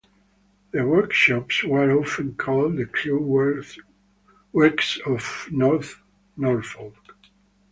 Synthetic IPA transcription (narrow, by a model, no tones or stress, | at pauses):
ðəwɜ˞kʃɑpswə˞ɔfə̃nkʰɔld̪ɨkʰluw | wɛksɔvnɔɹθ | nɔɹfɔlˠɡ̥